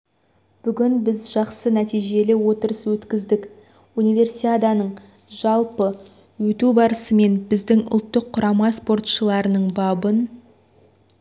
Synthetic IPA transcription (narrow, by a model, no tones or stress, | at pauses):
b̥ʏɡʲɪnbɪzʒɑqsənæt̪ijʒe̞lɪwo̞t̪əɾəswɵt̪kʲɪzd̪ɪk | unijve̞rsiad̪ɑnəɴ | ʒɑlˠpə | wɵt̪ubɑɾəsəme̞nbɪzd̪ɪŋʊ̰lˠt̪ːəqʰːʊɾʔɑmɑspo̞rt̪ʃəlˠɑɾənəɴbɑbən